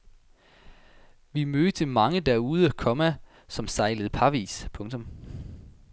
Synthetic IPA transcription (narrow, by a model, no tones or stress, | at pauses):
ʋimøðt͡sʰe̝lmɑ̈ŋəd̥æɐuːð̞ˠækʰɒ̽mæ | sɒ̽msɑ̈ɪləð̞̩ˠpʰɑ̈ʋḭːspʰɔ̽ŋt͡sʰɔ̽m